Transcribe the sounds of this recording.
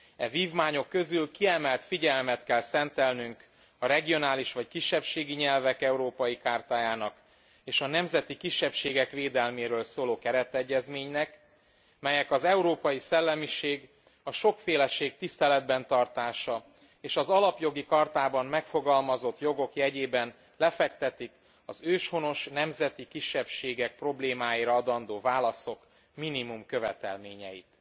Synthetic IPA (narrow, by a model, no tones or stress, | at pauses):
ɛviːvmaːɲo̞kːø̞zylkiɛmɛlt̪fiɟɛlmɛt̪kɛlsɛnt̪ɛlnyŋk | ɒɾɛɡio̞naːliʃʋɒckiʃːɛpʃeːɡiɲɛlvɛkɛuɾoːpɒjikaːrt̪aːjaːnɒk | eːʃɒnɛmzɛt̪ikiʃːɛpʃeːɡɛkʋeːd̪ɛlmeːɾøːlsoːloːkɛɾɛt̪ɛɟːɛzmeːɲnɛk | mɛjɛkɒzɛuɾoːpɒjisɛlːɛmiʃeːɡ | ɒʃo̞kfeːlɛʃeːk̚t̪ist̪ɛlɛd̪̚bɛnt̪ɒrt̪aːʃɒ | eːʃɒzɒlɒpjo̞ɡikɒrt̪aːbɒmmɛkfo̞ɡɒlmɒzo̞t̪jo̞ɡo̞kjɛɟeːbɛn | lɛfɛkt̪ɛt̪ik | ɒzøːʃho̞no̞ʃnɛmzɛt̪ikiʃːɛpʃeːɡɛk̚pro̞bleːmaːjiɾɒɒd̪ɒnd̪oːvaːlɒso̞k | minimumkøvɛt̪ɛ̰lmeːɲɛ̰jḭt̪